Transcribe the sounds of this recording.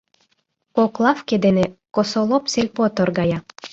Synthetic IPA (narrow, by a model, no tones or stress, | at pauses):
koklˠɑfked̪enekosolˠopselʲpot̪orɡɑjɑ